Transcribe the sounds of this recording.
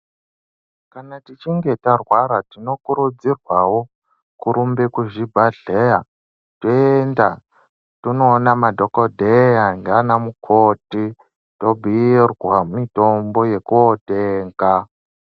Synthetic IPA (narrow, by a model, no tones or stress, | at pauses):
kanatit͡ʃiŋɡe̞tarwaɾatino̞kuɾud͡zirwawo | kuɾumbekuʐibʱaɮeja | toenda | tunoːnamadʱokodʱejaŋɡanamukʰoti | to̞bʱirwamito̞mbo̞je̞kuoteːŋɡa